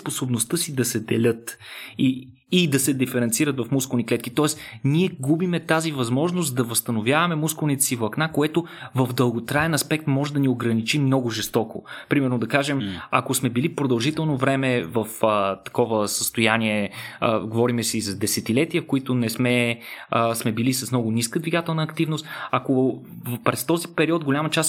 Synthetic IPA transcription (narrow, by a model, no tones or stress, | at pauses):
sposobnost̪ɤsid̪ɐsɛd̪ɛlʲɤt̪iː | d̪ɐsɛd̪ifɛɾɛnt̪siɾət̪vɐfmuskolˠniklɛt̪kit̪ɔɛsniɛɡubimɛt̪azivɐzmɔʒnost̪d̪ɐvɐst̪ɐnovʲjavɐmɛmuskoʊlˠnit̪ɛ̥sivˠɐknakoɛt̪ovɐfd̪əlˠɡot̪ɾaɛnɐspɛk̚t̪mɔʒɛd̪ɐnioɡɾɐnit͡ʃimnɔɡʊʒɛst̪ɔko̰pɾimɛɾnod̪ɐkaʒɛmakosmɛbilipɾod̪ɐlˠʒit̪ɛlˠnovɾɛmɛvəfət̪ɐ̥kɔvəsəst̪ojaniɛɡovɔɾimɛsɛizɐd̪ɛsɛt̪ilɛt̪iəfkoit̪ʊnɛsmɛ | smɛbilisɐsmnɔɡʊniskəd̪viɡat̪ɛlˠnəːkt̪ivnost̪akopɾɛst̪ɔzipɛɾiɔt̪ɡolʲamɐt͡ʃas